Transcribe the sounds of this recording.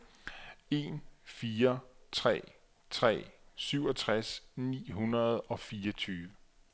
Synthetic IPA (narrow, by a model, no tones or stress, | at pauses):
e̝nfiːɐt͡sʰʁɛ̰ː | t͡sʰʁɛ̰ːsyʊ̰ɒt͡sʰʁasnḭːɦunɐðˠɒ̽fiːɐt͡sʰyːʋə